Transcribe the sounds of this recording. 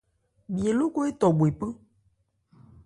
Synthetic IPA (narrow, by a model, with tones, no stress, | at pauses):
bi˨e˨lo˦ko˦e˦t̪ɔ˨bo˨e˨pe˦